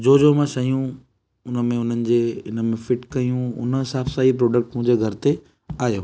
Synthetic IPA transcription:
d͡ʑoːd͡ʑomãʃɐijũ | ʊnəmẽʊn̤ənɪ̆d͡ʑeːɪnə̆mẽfɪʈkɐjũʊ̰nəsaːfsaːipɾoːɖək̚ʈmʊ̃ɦɲd͡ʑeɡʱɐɾɪt̪e | aːjoː

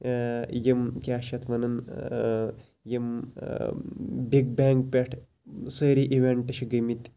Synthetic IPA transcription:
jimkʲaːʃɐt̪ʰʋɐnɐn | jim | biɡ̚bʲaŋk̚pʲeʈʰ | səɾiʔiʋeɳʈɐɕiɡəmit̪ʲ

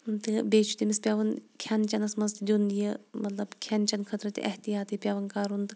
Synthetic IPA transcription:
t̪ɨbeːt͡ʃʰu̥t̪ʲimispʲjaːʋɐnkʲʰant͡ʃɐnɐsmɐzt̪ʲd̪ʲunijemɐt̪lɐbkʲʰant͡ʃɐnkʰɐt̪ɾɐt̪ʲʔɐ̰ht̪ijaːt̪ɨpʲaːʋɐnkaːɾunt̪ɨ

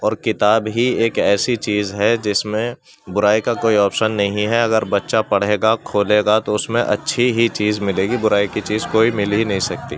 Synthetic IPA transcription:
ɔːɾkɪt̪aːbɦieːkɛːsit͡ʃiːzɦɛd͡ʒɪsmẽ | bʊɾaːikakoːiɔːpʃənːɐɦĩɦɛɐɡəɾbɐtːʃapɐɽ̤eːɡakʰoːleːɡat̪oʊsmẽʔɐ̰tːʃʰiɦit͡ʃiːzmɪleːɡibʊɾaːikit͡ʃiːzkoːimɪliinɐɦĩsɐk̚t̪ḭː

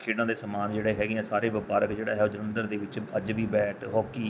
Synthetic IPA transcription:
kʰeːɽãːd̪eːsəmaːnd͡ʒeːɽeːɦɛːɡɪãːsaːɾeːʋəpaːɾəkd͡ʒeːɽaːɦɛoːd͡ʒəɾənd̪əɾd̪eːʋɪt͡ʃəd͡ʒʋiːbɛːʈʰɦoːkiː

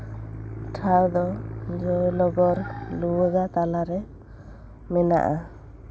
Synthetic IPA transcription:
ʈʰawd̪ɔd͡ʒɔjlɔɡɔɾluwəɡat̪alaɾɛ | mɛna̰ʔa

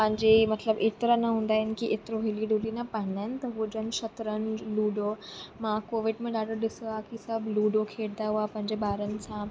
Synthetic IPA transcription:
pɐ̃ɦɪ̃ɲd͡ʑemɐt̪ləbeːt̪ɾanɐɦũːn̆d̪aːɦɪnɪ̆kiʔet̪ɾoɦeːliɖulinɐpɐ̃ɦɪ̃naɦɪnɪ̆t̪ɐɦuod͡ʑnʃɐt̪ɾənluːɖomãkoːʋɪɖmẽɗaːɖəɾɗɪsoaːkisəbluːɖokʰeːɽd̪aɦuapɐ̃ɦɪ̃ɲd͡ʑeɓaːɾənɪ̆sã

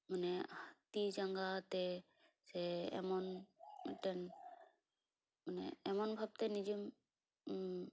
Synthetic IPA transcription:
manɛhat̪id͡ʒaŋɡat̪ɛ | sɛɛ̰mɔnɛtɛn | manɛ̰ɛmɔnbʱab̚t̪ɛnid͡ʒim

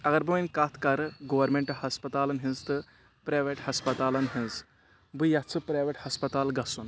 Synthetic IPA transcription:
ɐɡɐɾbɐminʲkaːt̪ʰkɐɾɡoʋɐɾmẽɳʈɐhɐspɐt̪aːlɐnɦĩnzt̪ɨ | pɾaːjʋeʈhɐspɐt̪aːlɐnɦĩnz | bɨjɐt͡sʰɨpɾajʋeʈhɐspɐt̪aːlɡɐsun

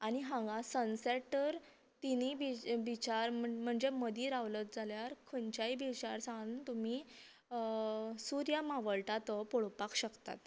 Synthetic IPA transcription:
aniɦãŋɡasənsɛʈəɾ | t̪inibibit͡ɕaɾəm̤əɳd͡zeməd̪iːɾaʋlət̪̚d͡zʱaljaɾkʰənt͡ɕaibʱiɕaɾsãnt̪umi | suɾjamaʋəɭʈat̪əpoɭpakɕəkt̪a̰t̪

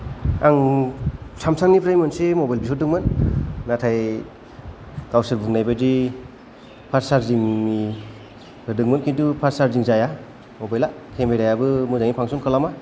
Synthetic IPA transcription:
aŋ | samsaŋnipɾajmɯnsemɔbajlbisɯdɯŋmɯnːatʰaj | kawsɯɾbuŋnajbadi | pʰaɾsaɾziŋmi | hɯdɯŋmɯnkʰintupʰaɾsaɾziŋzaja | mɔbajla | kʰeŋmbajɾajabɯmuzaŋipʰaŋsunkʰalama

